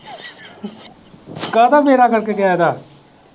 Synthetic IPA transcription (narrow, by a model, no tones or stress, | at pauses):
kaːd̪aːmeːɾaːkəɾkekɪaːd̪aː